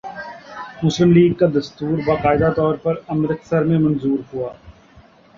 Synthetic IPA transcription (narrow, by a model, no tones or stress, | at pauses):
mʊslɪmliːɡkad̪ɐst̪uːɾbaːqaːɪd̪at̪ɔːɾpɐɾɐmɾɪk̪sɐɾmẽmɐnzuːɾɦuaː